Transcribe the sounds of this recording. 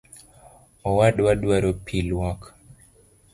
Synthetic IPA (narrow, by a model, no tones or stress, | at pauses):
ɔwadwadwaɾopʰilwɔk